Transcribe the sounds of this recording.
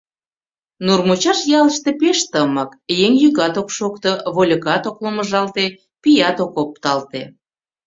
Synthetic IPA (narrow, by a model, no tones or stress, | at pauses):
nurmot͡ɕɑʃjɑləʃt̪epeʃt̪əməkjeŋjyɣɑt̪okʃokt̪oβolʲəɣɑt̪okloməʒɑlt̪e | pijɑt̪okop̚t̪ɑlt̪e